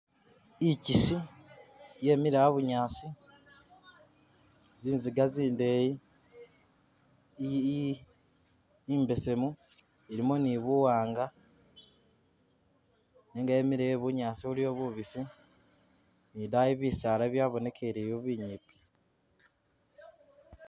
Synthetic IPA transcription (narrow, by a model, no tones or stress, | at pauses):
icisi | je̞ːmiɾajaβuɲaːsi | ziːnziɡaziːndeji | mbe̞se̞mu | iɾimuniβuwaːŋɡa | niŋɡaemiɾeeβuɲaːsiβulio̞ːβuβisi | nidajiβisaːlaβjaːβo̞ne̞kʰe̞ɾeːjoβiɲipi̥